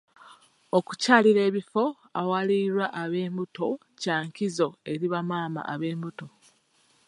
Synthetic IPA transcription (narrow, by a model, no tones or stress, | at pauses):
oku̥caːliɾe̞ːβifo̞ | awaliɾwaʔːβe̞ːmbuto̞ | caːŋkizo̞e̞ɾiβamaːma̰ʔaβe̞ːmbuto̞